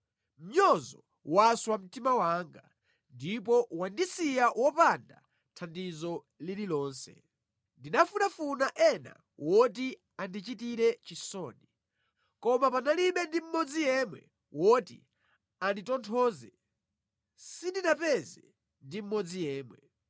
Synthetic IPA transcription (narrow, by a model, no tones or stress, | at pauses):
m̩ɲɔzɔ | waswam̩timawaːŋɡa | ndipɔwandisijawɔpanda | tʰandizɔ | lililɔːnsɛ̰ | ndinafunafunaʔɛna̰ | wɔt̬i | andit͡ʃitiɾɛt͡ʃisɔːni | kɔmapanaliɓɛndim̩mɔd͡zijɛmwɛ̰ | wɔtḭ | anditɔntʰɔːzɛ | sindinapɛzɛ | ndim̩mɔd͡zijɛːmwɛ